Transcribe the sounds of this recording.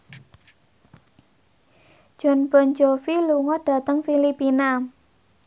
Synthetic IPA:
ʒ̥ɔ̤nb̥ɔ̤nd͡ʒɔfiluŋɔɖ̥a̤t̪əŋfilipina

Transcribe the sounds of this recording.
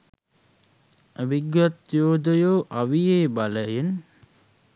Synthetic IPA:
əbiɡjat̪joːd̪əjoːʔaʋijeːbaləjen

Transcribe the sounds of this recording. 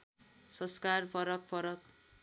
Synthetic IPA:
sʌskarpʰʌɾʌk̚pʰʌɾʌk̚

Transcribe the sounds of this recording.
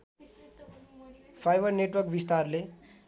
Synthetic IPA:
pʰajbʌrneʈwʌrk̚bist̪arle

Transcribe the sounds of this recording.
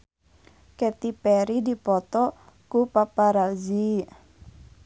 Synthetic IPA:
kɛt̪ipɛɾidipɔt̪ɔ | kupapaɾazi

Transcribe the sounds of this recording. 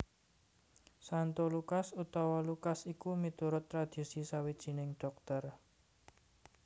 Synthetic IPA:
sant̪olukasut̪ɔwɔlukasikumit̪uɾʊt̪ːɾad̪̥i̤sisawid̥ʒ̥i̤nɪŋɖ̥ɔ̤k̚t̪ər

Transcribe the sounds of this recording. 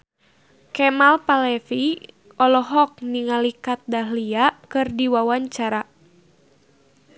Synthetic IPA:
kɛmalpalɛfi | ʔɔlɔɦɔk̚niŋalikat̪̚daɦliakɨrdiwawaɲt͡ʃaɾa

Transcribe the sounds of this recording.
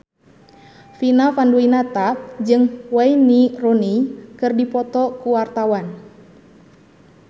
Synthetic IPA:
finafanduinat̪ad͡ʒɨŋwainironikɨrdipɔt̪ɔkuwart̪awan

